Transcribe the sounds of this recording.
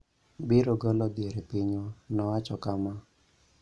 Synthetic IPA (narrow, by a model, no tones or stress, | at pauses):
bɪɾoɡɔlɔd̪jeɾepiɲonɔwat͡ʃɔkama